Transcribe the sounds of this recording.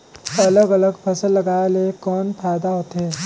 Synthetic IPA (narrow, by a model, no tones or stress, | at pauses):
ɐləɡɐləɡpʰɐsəlːɐɡaːelekɔːnpʰaːd̪aɦoːt̪ɦeː